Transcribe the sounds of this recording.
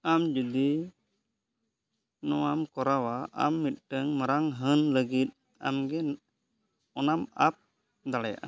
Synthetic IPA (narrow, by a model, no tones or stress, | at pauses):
amd͡ʒud̪i | nɔwamkɔɾawaʔa̰mːit̪̚ˀʈəŋməɾaŋɦənləɡit̪̚ | a̰mɡɛ | ɔnamap̚ | d̪alaja̰ʔa